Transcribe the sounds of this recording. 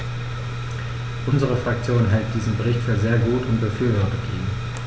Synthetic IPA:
ʔʊnzəʁ̞əfʁ̥ak̚t͡sjoːnɦɛlt̚d̥iːzn̩bəʁɪçtfyːɐzeːɐɡuːtʊntb̥əfyːɐvɔːɐtətḭːɡ̩

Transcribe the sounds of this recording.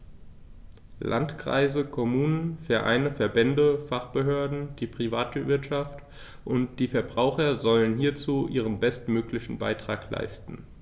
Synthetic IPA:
lʔa̰ntkʁ̥a̰ɪzəkʰɔmuːnənfɛɐʔa̰ɪnəfɛɐbɛndəfaχb̥əɦøːɐdn̩d̥iːpʁ̥ivaːtvɪɐtʃaft | ʔʊnt̚d̥iːfɛɐbʁaʊxɐzɔlənɦiːɐt͡suːʔiːʁ̞ənbɛstmøːklɪçn̩ba̰ɪtʁ̥aːkla̰ɪstn̩

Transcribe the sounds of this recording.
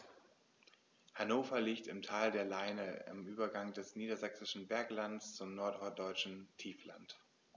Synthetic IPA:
hanoːfɐliːktɪmtʰaːldeːɐlaɪnəɪ̰mʔyːbɐɡaŋdɛsniːdɐzɛksɪʃn̩bɛɐklantst͡sʊmnɔɐtɔd̥ɔʏt͡ʃn̩tʰiːfla̰nt

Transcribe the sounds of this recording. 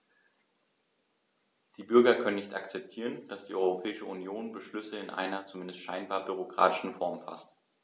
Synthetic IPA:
d̥iːbʏɐɡɐkʰœnənɪçtʔakt͡sɛp̚tʰiːʁ̞ənd̥asd̥iːʔɔʏʁ̞opʰɛːɪʃəunjoːnbəʃlʏsəɪnʔa̰ɪnɐt͡sumɪndəstʃaɪnbaːɐbyʁokʁ̥a̰ːtɪ̥ʃn̩fɔɐmfa̰st

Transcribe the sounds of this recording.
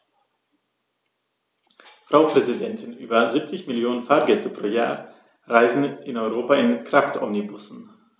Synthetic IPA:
fʁ̥aʊpʁ̥ɛzidɛntʰɪnʔyːbɐziːp̚t͡sɪçmɪljoːnənfaːɐɡɛstəpʁ̥oːja̰ːɐ | ʁaɪzn̩ɪnɔʏʁoːpaɪnkʁ̥aftʰʔɔmnibʊsn̩

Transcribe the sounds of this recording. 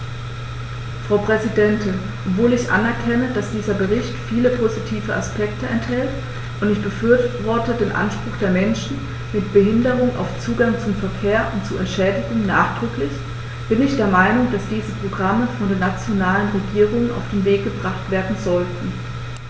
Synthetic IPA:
fʁ̥aʊpʁ̥ɛzidɛntʰɪn | ʔʔɔpv̥oːlɪçʔa̰nɛɐkʰɛnəd̥asd̥iːzɐbəʁɪçtfiːləpʰozitʰiːvəʔaspɛktəɛnthɛlt | ʔʊntɪçb̥əfyɐvɔɐtədeːnʔa̰nʃpʁ̥ʊxd̥eːɐmɛnʃn̩ | mɪt̚b̥əhɪndəʁʊŋʔa̰ʊft͡suːɡaŋt͡sʊmfɛɐkʰeːɐʔʊntt͡suɛntʃɛːdɪɡʊŋnaːχd̥ʁʏklɪç | b̥ɪnɪçd̥eːɐmaɪnʊŋd̥asd̥iːzəpʁ̥oɡʁaməfɔndeːɐnat͡sjonaːlənʁeɡiːʁ̞ʊŋəna̰ʊfd̥eːnveːk̚ɡ̥əbʁaχtv̥eːɐdn̩zɔltn̩

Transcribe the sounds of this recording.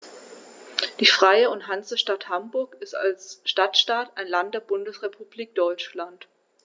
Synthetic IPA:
d̥iːfʁ̥aɪəʊntɦant͡səʃtathambʊɐkɪsta̰lsʃtatʃtaːtaɪnlantd̥eːɐbʊndəsʁepʰub̥liːk̚d̥ɔʏt͡ʃlant

